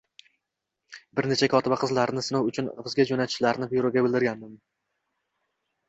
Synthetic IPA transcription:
bɪɾne̞t͡ʃʰakʰɒt̪ɪbaqʰɨzlaɾnɪsɪnɒwʊt͡ʃʰʊnbɪzɡʲad͡ʒonat̪ʰɪ̥ʃlaɾnɪbiɾoɡʲabɪlˠd̪ɪɾɡʲand̪ɪm

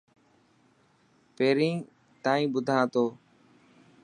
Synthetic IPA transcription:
peːɾĩː | t̪aːĩːɓʊd̪ʱãːt̪oː

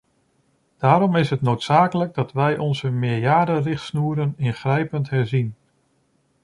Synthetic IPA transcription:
d̥aːɾɔmɪsɦətnowtsaːkələɡ̚dɑtʋɛjʔɔnzəmɪːɹjaːdərɪχtsnuːɾənɪnχrɛjpəntɦɛɹzin

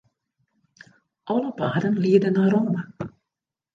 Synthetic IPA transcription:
ʔɑləpaːdənliːədənːaːɾoːmə

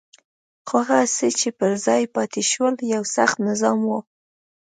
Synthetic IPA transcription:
xaɣaset͡ʃepəɾzɑjpɑt̪eʃwəljawsaxt̪nɪzɑmwo

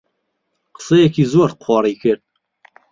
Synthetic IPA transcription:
qə̥sejɛkʰiːzoːɾqʰɔːɾiːkʰɨɾd̪̚

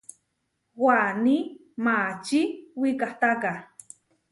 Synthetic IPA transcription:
wani | mat͡ʃiwikaht̪aka

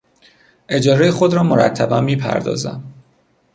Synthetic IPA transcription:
ʔe̞d͡ʒɒːɾejexo̞d̪ɾɒːmoɾæ̰t̪ʰːæbæmːiːpʰæ̰ɾd̪ɒ̰ːzæ̰m

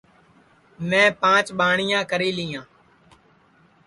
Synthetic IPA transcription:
mɛ̃ːpãːt͡ʃɓaːɳɪjãːkəɾiːlɪːãː

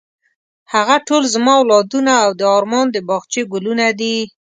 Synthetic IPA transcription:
haɣaʈolzəmɑwlɑd̪unaːwd̪əɑɾmɑnd̪əbɑɣt͡ʃeɡʊlunad̪i

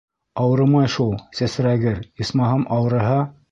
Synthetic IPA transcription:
ɑwɾɤ̆mɑjʃulˠsæsɾæɡɘɾismɑɦɑmʔɑwɤ̆ɾɤ̆ɦɑ

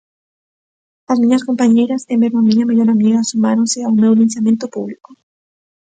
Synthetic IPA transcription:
azmĩɲaskompaɲejɾasembeɾmomĩɲamaʎoɾamiɣasumaɾõnseawmewlĩnsjamjẽnt̪opuβliko̥

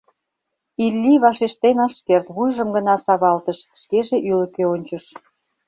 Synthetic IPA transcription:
ilʲːiβɑʃeʃt̪enɑʃkert̪βujʒəmɡənɑsɑβɑlt̪əʃʃkeʒeʔylə̆keonʲt͡ɕə̆ʃ

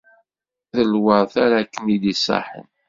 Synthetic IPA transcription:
ðəlwəɾθaɾækːənid̪isːɑ̰ħə̰n

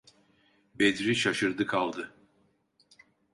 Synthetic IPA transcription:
bed̪ɾiʃaʃɯɾd̪ɯkʰalˠd̪ɯ

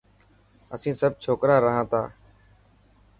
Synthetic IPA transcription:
əsĩːsəb̚t͡ʃʰoːkɾaːɾəɦãːt̪ʰa̰ː

